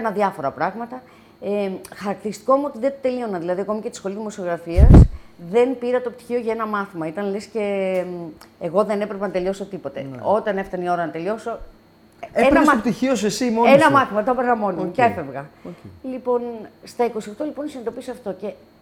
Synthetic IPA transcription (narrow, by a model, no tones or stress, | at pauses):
nɐðʝɐfo̞ɾɐpɾɐɣmɐt̪ɐ | exɐɾɐk̚t̪iɾist̪i̥koɐmuo̞t̪iðet̪ot̪elio̞nɐðilɐðiɐko̞mɐcet̪i̥sxo̞lizðimo̞sio̞ɣɾɐfiɐsðe̞npiɾɐt̪op̚t̪i̥çio̞ʝɐenɐmɐθimɐit̪ɐnlesce̞ | ɣo̞ðe̞ne̞pɾepenɐt̪elio̞so̞t̪ipo̞t̪e̞̰o̞t̪ɐne̞ft̪ɐnio̞ɾɐnɐt̪e̞lio̞so̞ | eenɐsɐot̪içiosesimonenɐmɐθimɐt̪ɐpeɾnɐmo̞nimueefevɣɐlipo̞nst̪ɐiko̞sio̞xt̪o̞lipo̞nisinend̪o̞piseɐft̪o̞ce̞